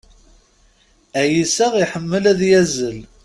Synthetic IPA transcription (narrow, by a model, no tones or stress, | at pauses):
æjisæʁiħəmːəlæðjæzəl